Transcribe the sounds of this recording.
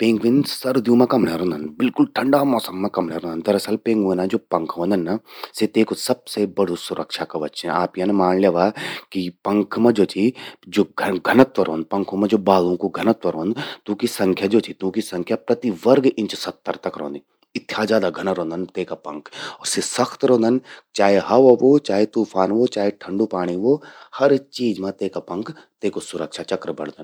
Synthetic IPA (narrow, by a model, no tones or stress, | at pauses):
pẽːŋɡʋɪ̃nsɐɾd̪jũmẽkɐmleɾõːnd̪ɐnbɪlkʊlʈʰɐ̃ɳɖaːmɔːsɐmːẽkɐmleːɾõːnnd̪ɐɾɐsɐlpẽːŋɡʋẽnãd͡ʒoːpɐ̃ŋkʰʋõːnd̪ɐnːaset̪eːkosɐb̚sebɐɽ̤osʊɾʔəkʃakaʋɐtʃẽa̰ːpjãnemaːnleːʋaːkipɐ̃ŋkʰmẽd͡ʒoːt͡ʃʰid͡ʒoːɡʱɡʱɐnət̪ʋɐɾõːnd̪̚pɐ̃ŋkʰõmẽd͡ʒoːbaːlõkoɡʱɐnət̪ʋɐɾõːnd̪t̪ũːkisɐ̃ŋkʰjad͡ʒoːt̪ʰit̪ũːkisɐ̃ŋkʰjapɾɐt̪iʋɐɾɡɪ̃nt͡ʃsɐt̪ːɐɾt̪ɐkɾõ̰ːnd̪i | ɪt̪ʰːjazjaːd̪aɡʱɐnaɾõːnd̪ənt̪eːkapɐ̃ŋkʰɔːɾsesɐxʰt̪ɾõːnd̪ənt͡ʃaːɦeɦɐʋoʋoːt͡ʃaːɦet̪uːpʰaːnʋot͡ʃaːɦeʈʰɐ̃ɳɖupaːɽ̃iʋoːhɐɾt͡ʃiːd͡ʒmẽt̪eːkapɐ̃ŋkʰ | t̪eːkosʊɾəkʃʰat͡ʃɐkɾəbɐ̰ɽd̪ɐn